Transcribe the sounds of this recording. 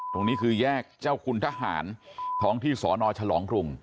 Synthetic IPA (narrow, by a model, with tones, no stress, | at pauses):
t̪o˧ŋniː˦˥kʰɯː˧jɛː˥˩k̚t͡ɕaː˥˩wkʰu˧nt̪ʰa˦˥ɦa̰ː˩˦nt̪ʰɔː˦˥ŋt̪ʰiː˥˩sɔː˩˦nɔː˧t͡ɕʰa˧lɔː˩˦ŋkɾu˧ŋ